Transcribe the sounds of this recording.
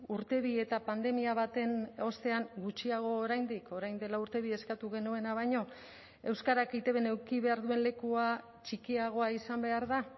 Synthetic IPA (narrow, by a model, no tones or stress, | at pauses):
uɾt̪e̞β̞ie̞t̪apand̪e̞miaβat̪e̞no̞st̪e̞aŋɡut͡ʃiaɣ̞o̞ːɾajnd̪iko̞ɾajnd̪e̞lauɾt̪e̞β̞ie̞skat̪uɣ̞e̞nue̞naβajɲo̞ | e̞wskaɾakejt̪e̞βene̞wkiβe̞aɾðue̞nle̞kua | t͡ʃikiaɣ̞o̞aisambe̞aɾða